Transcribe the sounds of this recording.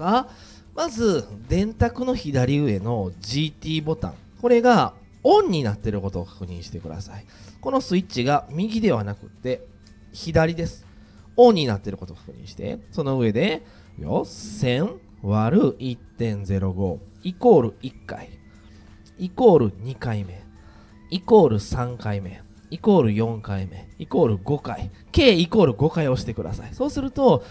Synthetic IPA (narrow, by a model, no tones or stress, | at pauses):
a | mazɨd̪ẽ̞nt̪akɯ̟no̞çid̪aɾʲiɯ̟e̞no̞d͡ʑit̪ʲiːbo̞t̪ã̰ŋ | ko̞ɾe̞ɡa | õ̞ɲ̟ːinat̪ːe̞ɾɯ̟ko̞t̪o̞ːkḁkɯ̟ɲ̟ḭ̃ɰ̃ɕi̥t̪e̞kɯ̟d̪a̰sai | ko̞no̞sɨit͡ɕiɡamʲiɡʲid̪e̞β̞anakɯ̟̰t̪ːe̞ | çid̪aɾʲid̪e̞sɨ̥ | õ̞ɲ̟ːinat̪ːe̞ɾɯ̟ko̞t̪oːkḁkɯ̟ɲ̟ḭ̃ɕi̥t̪e̞̰so̞no̞ɯ̟e̞d̪e̞ | jo̰sẽ̞ | βaɾɯ̟it̪ːẽ̞nze̞ɾo̞ɡo̞̰ːiko̞ːɾɯ̟ikːa̰i | iko̞ːɾɯ̟ɲ̟ikaime̞ | iko̞ːɾɯ̟sãŋkaime̞̰ | iko̞ːɾɯ̟jõ̞ŋkaime̞̰iko̞ːɾɯ̟ɡo̞ka̰i | ke̞ːiko̞ːɾɯ̟ɡo̞kaio̞ɕi̥t̪e̞kɯ̟d̪a̰sa̰iso̞ːsɨɾɯ̟t̪o